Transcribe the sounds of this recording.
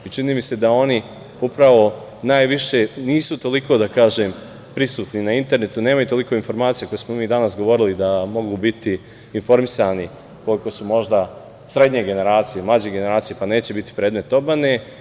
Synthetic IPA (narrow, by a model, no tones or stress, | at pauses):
it͡ʃiniːmise̞d̪ao̞ni | upɾaʋo̞ | naːjʋiʃe̞niːsut̪o̞liko̞ːd̪akaːʒeːm | pɾisuːt̪ninaint̪e̞ɾne̞t̪une̞ːmajut̪o̞liko̞info̞ɾmaːt̪sijako̞jesmo̞miːd̪anasɡo̞ʋo̞ɾilid̪amo̞ɡuːbit̪iː | nfo̞ɾmisaːni | ko̞liko̞sumo̞ʒd̪a | sɾe̞d̪ɲe̞ɡe̞ne̞ɾaːt̪sijemlˠad͡ʑeɡe̞ne̞ɾaːt̪sije̞pane̞ːt͡ɕe̞bit̪i̥pɾeːd̪me̞t̪o̞bane